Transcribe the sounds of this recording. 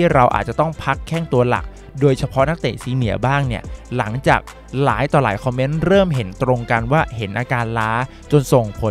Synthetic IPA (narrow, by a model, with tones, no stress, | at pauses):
t̪ʰiː˥˩ɾa˧wʔa̰ː˨˩t̪̚t͡ɕa˨˩t̪ɔ˥˩ŋpʰa˦˥kʰːɛː˥˩ŋt̪u˧ɐla̰˨˩k̚ | doː˧jt͡ɕʰa˧pʰɔ˧˦˥na˦˥k̚t̪eː˨˩siː˨˧˥nɯ˩˦ɐbaː˥˩ŋni˥˩ɐla˩˦ŋt͡ɕaː˨˩k̚ | laː˩˦jt̪ɔː˨˩laː˩˦jkʰɔ˧mːe˦˥nɾɤː˥˩mɦe˩˦nt̪ɾo˧ŋka˧nwaː˥˩ɦe˩˦nʔaː˧kaː˧nlaː˦˥ | t͡ɕo˧nso˨˩ŋpʰo˨˩˦n